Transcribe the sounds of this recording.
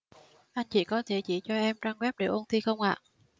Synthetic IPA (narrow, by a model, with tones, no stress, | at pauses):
ʔa˧jŋ̟t͡ɕḭ˧˩kɔ˨˦t̪ʰe˧˩t͡ɕḭ˧˩t͡ɕɔ˧ʔɛ˧mt͡ɕaː˧ŋɣwɛ˦˥p̚ɗe˧˩ʔo˧nt̪i˧xə˧wŋ͡mʔa̰ː˧˨